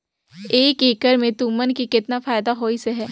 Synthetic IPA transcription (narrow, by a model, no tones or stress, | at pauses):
eːkeːkəɾmẽt̪uːmənkikɪt̪nafaːɪd̪aɦoːiseɦɛː